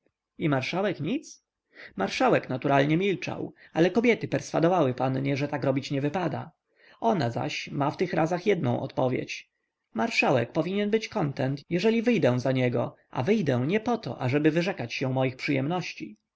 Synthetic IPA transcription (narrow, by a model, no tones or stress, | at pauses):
imaɾʂawɛkɲit̪s | maɾʂawɛknat̪uɾʔalɲɛmʲilt͡ʂa̰walɛkɔbʲjɛt̪ɘpɛɾsfad̪ɔvawɘpanɲɛʐɛt̪akɾɔbʲit͡ɕɲɛvɘpad̪a̰ | ɔnaza̰ɕmaft̪ɘxɾazaxjɛd̪̚nɔ̰̃w̃ʔɔ̰t̪pɔvʲjḛt͡ɕ | maɾʂawɛ̰kpɔvʲiɲɛnbɘt͡ɕkɔnt̪ɛnt̪jɛʐɛlʲivɘjd̪ɛw̃zaɲɛɡɔ̰ | ʔa̰vɘjd̪ɛw̃ɲɛpɔt̪ɔ̰ʔaʐɛbɘvɘʐɛkat͡ɕɕɛw̃mɔjixpʂɘjɛmnɔɕt͡ɕi